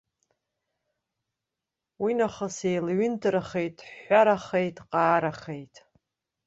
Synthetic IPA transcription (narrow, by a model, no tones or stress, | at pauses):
winaχəsejlɥʏndɨɾaχe̞jtʼħʷaɾaχejtʼqʼaːɾaχejtʼ